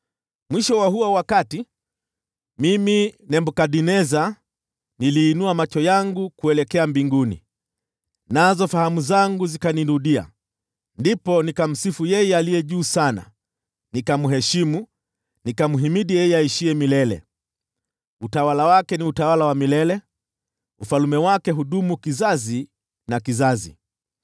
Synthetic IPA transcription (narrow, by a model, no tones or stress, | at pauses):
mwiʃɔwahuwawakati | miminɛmbɔkaɗinɛza | niliːnuamat͡ʃɔjaŋɡukuɛlɛkɛambiŋɡunḭ | nazɔfahamuzaŋɡuzikaniɾuɗia̰ | ndipɔnikam̩sifujɛjɛalijɛʄuːsana̰ | nikamuɦɛʃimu | nikamuɦimiɗijɛjɛaiʃiɛmilɛlɛ̰ | utawalawakɛniutawalawamilɛlɛ | ufalumɛwakɛɦuɗumukizazi | nakizazḭ